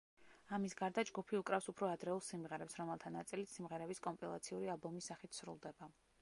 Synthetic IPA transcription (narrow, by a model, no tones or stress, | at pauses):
amisɡaɾd̪ad͡ʒɡupʰiukʼɾafsupʰɾɔad̪ɾɛulˠsimʁɛɾɛpsɾɔmɛlˠt̪ʰanat̪sʼilit̪ʰsimʁɛɾɛbiskʼɔmpʼilˠa̰t̪sʰiuɾialˠbɔmisaχit̪ʰsɾṵlˠd̪ɛba